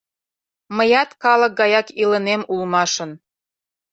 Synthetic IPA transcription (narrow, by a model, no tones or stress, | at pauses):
məjɑt̪kɑlək̚ɡɑjɑkilənemulmɑʃə̆n